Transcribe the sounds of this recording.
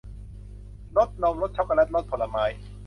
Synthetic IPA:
lo˦˥t̪̚nɔː˧ŋlo˦˥t̪̚t͡ɕʰa˦˥wka˧˨lɛ˦˥t̪̚ɾo˦˥t̪̚pʰo˨˦lːa˧maː˦˥j

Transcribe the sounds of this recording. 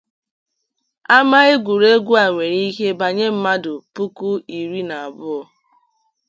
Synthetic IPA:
a˦ma˦ɪ˦ɡʷu˨ɾe˦ɡʷu˦a˨ŋʷe˨ɾi˦ɦe˦ba˨ɲe˦m̩˦ma˦dʊ˨pu˦ku˦i˨ɾi˦na˨a˨bʊ˦ɔ˨

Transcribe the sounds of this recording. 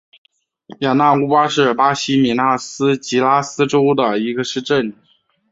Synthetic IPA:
ja˨˩na˥˩u˥pwa˥ʂɻ̩˥˩pa˥ɕi˥mi˨˩na˥˩sɹ̩˥t͡ɕi˧˥la˥sɹ̩˥ʈ͡ʂo˥ʊd̪ə˨i˧˥ɡə˧ʂɻ̩˥˧ʈ͡ʂə˥˩n

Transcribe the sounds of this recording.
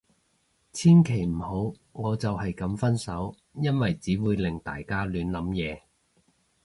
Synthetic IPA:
t͡sʰiː˥nkʰe˨˩jm̩˨˩ho˨˥w | ŋɔː˨˧t͡sɐ˨whɐ˨jkɐ˨˧mfɐ˥nsɐ˨˥w | jɐ˥nwɐ˨jt͡siː˨˥wuː˨˧jlɪ˨˩ŋt̪a̰ː˨jkaː˥lyː˨˧nlɐ˨˥mjɛː˨˧

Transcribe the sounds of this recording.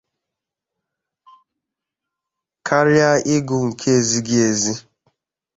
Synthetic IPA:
kʰa˦ɾja˦ʔɪ˦ɡʊ˨ŋ̩˨kʰe˦e˨zi˦ɡɪ˦e˨zi˦

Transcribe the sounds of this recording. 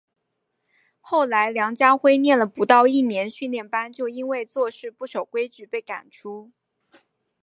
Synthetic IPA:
xo˥˩ʊla˧˥ɪljɑ˧˥ŋt͡ɕja˥xwe˥ɪnjɛ˥˩nlə˩pu˧˥t̪ɑ˥˧ʊi˥˩njɛ˧˥nɕy˥˧nljɛ˥˩npa˥nt͡ɕjo˥˩ʊi˥nwe˥˧ɪt͡swɔ˥˧ʂɻ̩˥˧pu˥˩ʂo˨˩ʊkwe˥ɪt͡ɕy˧˥pe˥˩ɪka̰˨˩nʈ͡ʂʰu˥

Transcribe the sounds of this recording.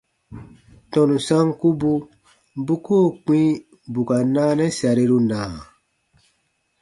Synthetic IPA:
tɔ̃˨nũ˨sã˦ŋku˦bu˧ | bu˦koː˦˨k͡pĩ˦ | bu˨ka˨naː˦nɛ˦sa˨ɾe˧ɾu˧nãː˨

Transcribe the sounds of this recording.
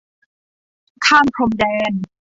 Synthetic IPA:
kʰaː˥˩mkʰɾo˧mdɛː˧n

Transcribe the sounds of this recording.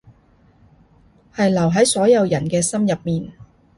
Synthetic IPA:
hɐ˨jlɐ˨˩wɦɐ˨˥jsɔː˨˥jɐ˨˧wjɐ˨˩nkɛː˧sɐ˥mjɐ˨p̚miː˨n

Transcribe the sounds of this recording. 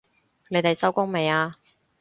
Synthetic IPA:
ne˨˧jt̪e˨jsɐ˥wkʊ˥ŋme˨jaː˧

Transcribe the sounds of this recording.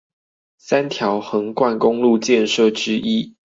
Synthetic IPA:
sa˦˥nt̪ʰjɑ˨˦ʊxɤ˨˦ŋkwa˥˨nkʊ˦ŋlu˥˨t͡ɕjɛ˥˨nʂɤ˥˨ʈ͡ʂɻ̩˥ʔi˦˥

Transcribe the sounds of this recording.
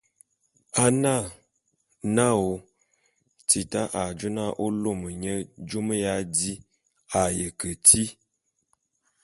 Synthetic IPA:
a˦na˦˨ | na˦˨o˨ | ti˨ta˦ʔa˨d͡ʒu˦na˦ʔo˦lo˦˨mə˨ɲə˦d͡ʒo˦mə˦ja˦di˦ | a˨jə˨kə˨ti˦

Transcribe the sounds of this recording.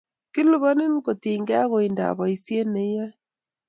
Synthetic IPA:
kɪ˦lu˨βa˦ni˦n˦ko˨tiː˨ŋɡɛ˦a˦ɣo˨i˨nda̰˨βɔ˨i˨sje˦ne˨˦ja˦

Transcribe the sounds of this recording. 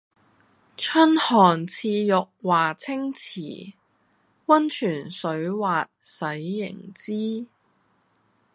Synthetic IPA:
t͡ʃʰɵ˥nhɔː˨˩nt͡sʰiː˧jʊ˨k̚waː˨˩t͡sʰɪ˥ŋt͡sʰiː˨˩ | wɐ˥nt͡ʃʰyː˨˩nsɵ˨˧˥ɥwaː˨t̚sɐ˨˥jːɪ̰˨˩ŋt͡siː˥

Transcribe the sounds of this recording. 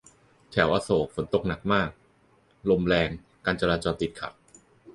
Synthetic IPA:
t͡ɕ̪ʰɛ˩˦wʔaː˧soː˨˩˦k̚fo˩˦nt̪o˨˩k̚na˨˩k̚maː˥˩k̚ | lo˧mɾɛː˧ŋ | kaː˧nt͡ɕa˧ɾaː˧t͡ɕɔː˧nt̪i˨˩t̪̚kʰa̰˨˩k̚

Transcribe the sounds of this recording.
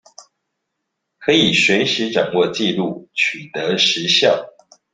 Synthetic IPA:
kʰɤ˨˥i˨˩ɕɥɛ˨˧˥nʂ̩˨˥ʈ͡ʂɑ˨˩ŋwɔ˥˧t͡ɕi˥˧lu˥˨t͡ɕʰy˨˩t̪ə˨˦ʂɻ̩˨˧˦ɕjɑ˥˩ʊ

